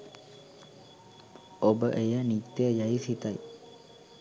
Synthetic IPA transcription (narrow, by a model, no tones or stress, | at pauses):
obəʔejənit̪ːejəjaisit̪aj